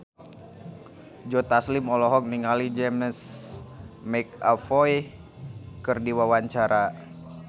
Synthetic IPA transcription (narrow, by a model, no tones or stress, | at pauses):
d͡ʒɔt̪aslimɔlɔɦɔk̚niŋalid͡ʒɛməs | mɛk̚afɔj | kərdiwawaɲt͡ʃaɾa